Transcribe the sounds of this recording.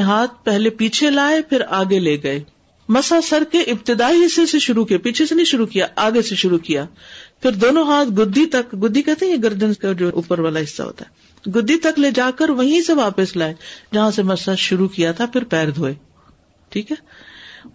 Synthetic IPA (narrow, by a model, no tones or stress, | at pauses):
ɦaːt̪̚ʰpɛɦlepiːt͡ʃʰelaːepʰɪɾaːɡeleːɡɐeː | mɐsasɐɾkeʔɪbt̪ɪd̪aːiɦɪsːeseʃʊɾukiepiːt͡ʃʰesenɐĩʃʊɾukijaʔaːɡeseʃʊɾukijaːpʰɪɾd̪oːnõɦaːt̪ʰɡʊd̪ʱːit̪ɐkɡʊd̪ʱːikɛɦt̪eɦɛ̃jeɡɐɾd̪ənskad͡ʒoːʔṵːpəɾʋaːlaɦɪsːa̰ɦo̰ːt̪aɦɛː | ɡʊd̪ʱːit̪ɐkleːd͡ʒaːkəɾʋɐɦĩseʋaːpəslaːed͡ʒɐɦãsemɐsaʃʊɾukijat̪ʰapʰɪɾpɛːɾd̪ʱoːeː | ʈʰiːkɦɛː